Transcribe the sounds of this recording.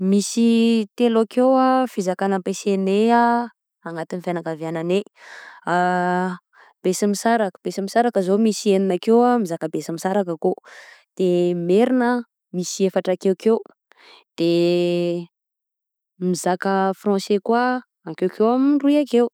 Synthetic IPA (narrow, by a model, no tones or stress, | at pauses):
misit̪elokewafizakanəpesenea | aŋat̪inifanakavanane | a | b̥esimisaɾakə̥b̥esimisaɾakəzomisieninakewamizakəbesamisaɾakakod̪̥emeɾinə | misiefaʈ͡ʂakewkew | d̪̥e | mizakəfrɔ̃sekwa | akewkewamruiakew